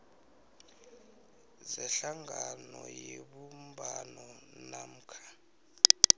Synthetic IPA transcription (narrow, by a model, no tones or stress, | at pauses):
zɛɬaŋɡʱanɔjeɓumbanɔnam̩ːkʰḁ